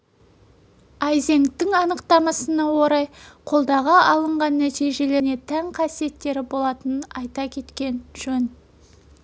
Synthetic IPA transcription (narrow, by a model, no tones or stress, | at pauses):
ɑjze̞ŋt̪ːɪŋɑnəqt̪ɑmɑsənɑwo̞ɾɑjqʰo̞lˠd̪ɑʁɑʔɑlˠəɴʁɑnːæt̪ijʒe̞le̞ne̞t̪ʰæŋqʰɑsije̞t̪ːe̞ɾɪbo̞lˠɑt̪ənənɑjt̪ɑkʲʰe̞t̪kʲe̞nʒ̥ɵn